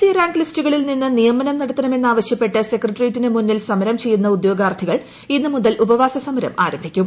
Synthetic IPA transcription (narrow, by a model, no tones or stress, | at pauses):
sijɐraːŋɡlistuɣɐɭilninːɨnijɐmːɐnɐmnɐɽɐt̪ːɐnɐme̞nːaːʋɐɕjɐpːe̞ʈːɨse̞krɐʈːrijtːinɨmunːilsɐmɐɾɐmt͡ɕe̞jːunːɐud̪jo̞ːɡaːrt̪ʰːiɣɐɭ | inːɨmuðɐlʔubɐʋaːsɐsɐmɐɾɐ̰ma̰ːɾɐmbʱikʲːum